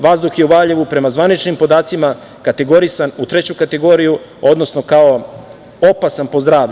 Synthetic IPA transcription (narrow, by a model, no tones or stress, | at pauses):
ʋazd̪uxje̞uʋaʎeʋupɾe̞mazʋanit͡ʃnimpo̞d̪aːt̪sima | kat̪e̞ɡo̞ɾisanut̪ɾe̞t͡ɕukat̪e̞ɡo̞ːɾiju | o̞d̪no̞sno̞kao̞ | o̞pasanpozd̪ɾaːʋʎʲu